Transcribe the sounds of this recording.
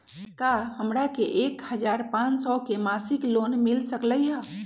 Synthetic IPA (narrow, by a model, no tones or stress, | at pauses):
kaɦəmɾakeʔekhəd͡ʒaɾpãt͡ʃsɔkemasiklonmilsəkləjɦə̃